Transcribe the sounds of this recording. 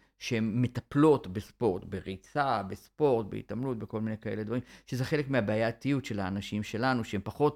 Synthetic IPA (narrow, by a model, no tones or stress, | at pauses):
ʃehemːe̞taplo̞tbespo̞ʁtbeʁit͡sabespo̞ʁtbḛḭtamlutbe̞ko̞lminejkae̞le̞d̪vaʁimʃeze̞χe̞le̞kmeabeajat̪ijutʃe̞laːnaʃimʃe̞lanuʃeempaχo̞t